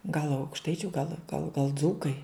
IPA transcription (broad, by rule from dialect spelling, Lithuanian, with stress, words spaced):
ɡɐlˠ ɐʊkʃˈtɐɪt͡ʃʲʊ ɡɐlˠ ɡɐlˠ ɡɐlˠ ˈd͡zuːkɐɪ